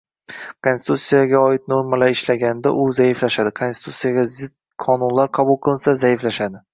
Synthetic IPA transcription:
kʰonst̪ut̪sijaɡʲaɒɪt̪̚noɾmalaɾɪʃlaɡʲanɪd̪aʔʊzaɪflaʃad̪ɪkʰonsɪt̪ʰut̪sijaɡʲazɪd̪̚ | kʰɒnʊnlaɾqʰɑbʊlˠqʰɨlˠɪnsazaɪflaʃad̪ɪ

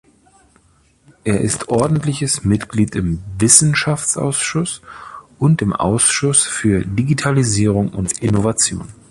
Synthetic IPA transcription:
ʔeːɐʔɪstʰʔɔɐdn̩tlɪçəsmɪtɡ̥liːtɪmvɪsn̩ʃaft͡sʔa̰ʊsʃʊsʔʊntɪmʔa̰ʊsʃʊsfyːɐdiɡitʰaliziːʁ̞ʊŋʊntʔɪnovat͡sjo̰ːn

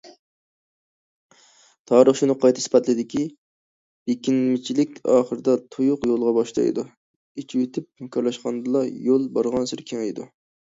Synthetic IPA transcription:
t̪ʰɑːɾəχʃunɨqʰɑjt̪ʰɨ̥spɛt̪lɪd̪ɪkʲʰi | b̥ekʲinmɪt͡ʃʰilɪkʲɑːχəɾɨd̪ɑt̪ʰujʊqjolˠʁɑbɑʃlˠɑ̰j̰d̪u | et͡ʃʰiwit̪ʰɪp̚mɪkʰʲɑɾlˠɑʃqɑnd̪ɨlˠɑjolˠbɑɾʁɑnsɨɾkʲʰeŋejd̪u

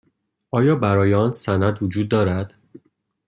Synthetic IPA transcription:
ɒːjɒːbæɾɒːjeɒːnsænæd̪vod͡ʒuːd̪̚ːɒːɾæd̪̥

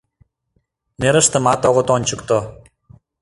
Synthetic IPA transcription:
neɾəʃt̪ə̆mɑt̪oɣot̪onʲt͡ɕək̚t̪o

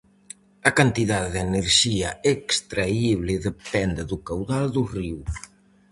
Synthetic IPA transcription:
ɐkant̪iðaððeneɾʒiaekst̪ɾaiβlɪðepɛnd̪eðukawðald̪uriw

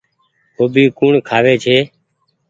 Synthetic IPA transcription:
koːbiːkuːɳkʰaːʋeːt͡ʃʰeː

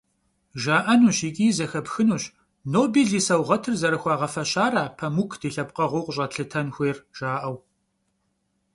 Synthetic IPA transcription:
ʒaːʔɐnuːɕiːkʼiːzɐxɐpxɨnuːɕ | noːbiːɮiːsɐwʁɐtʰɨrzɐɾɨxʷɑːʁɐfɐɕaːraːpʰɐmukʰd̥iːɬɐp̚qɐʁʷʊqʷɕʼɐɬɨtʰɐnxʷeːrʒ̥aːʔɐw

